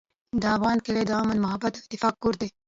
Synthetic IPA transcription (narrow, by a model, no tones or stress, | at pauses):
d̪əafɣɑːnkɪled̪ɑːmanmʊɦabːat̪t̪ːɪfɑːk̚ːkuɾd̪e